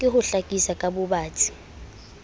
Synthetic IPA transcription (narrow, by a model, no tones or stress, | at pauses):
kʼɪhʊɬakʼisakʼabʊbaːtʰʼi̥